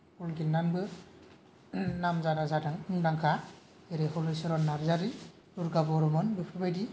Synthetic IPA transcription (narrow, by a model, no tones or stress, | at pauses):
ulɡilːanbɯ | namzaɾazadaŋɯŋdaŋkʰa | eɾeɦɔlɯjsɯɾɔnːaɾzaɾi | uɾɡabɔɾɔmɯnbɯpʰɯbajdi